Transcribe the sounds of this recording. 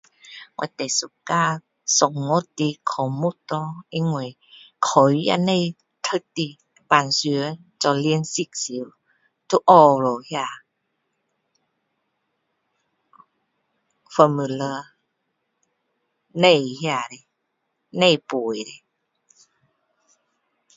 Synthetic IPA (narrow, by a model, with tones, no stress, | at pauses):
ŋa̰˧˨t̪a˨su˧˨kaː˧ | sɔ˨˩ŋŋo˧˦t̪ːi˧kʰɔ˨˦mu˧˦t̪ɔ˧˦ʔi˧ŋu˧˩˨j | kʰɔ˨˦wja̰˧na˧˨j | t̪ʰə˧k̚t̪i˧ | baː˨nsɯ˨˧˦ə˦t͡ɕɔ˧li˧ənsi˧˨k̚si˨˦w | t̪ʰu˧ʔɔ˧lo˨hi˧a˧˩ | fə˧mɯ˧˨ləː˧ | na˧˨jhi˧a˧˩di˨ | na˧jpu˨˩jdi˨